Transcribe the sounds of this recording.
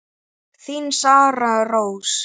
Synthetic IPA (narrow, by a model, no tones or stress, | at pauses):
θinsaːɾarows